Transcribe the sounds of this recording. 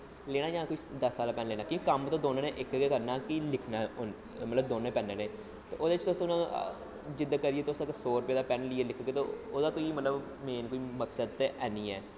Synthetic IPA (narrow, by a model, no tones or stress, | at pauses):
leːɽaːd͡ʒãːkoːid̪əsːaːlaːpɛːnleːnaːkĩːikəmt̪õːd̪oːneːneːʔɪkɡekəɾnaːkɪlɪkʰnaːn | mət̪ləbd̪oːneːpɛːneːneː | t̪ḛːʔoːd̪eɪt͡ʃt̪ʊsõʊnãː | d͡ʒɪd̪akəɾieːt̪ːʊsãksoːɾpeːd̪aːpɛːnlɪːeːlɪkʰːɡeːt̪ooːd̪aːkoːiːmət̪ləb | meːnkoːiːməksəd̪̚t̪eʔɛːnĩːɛː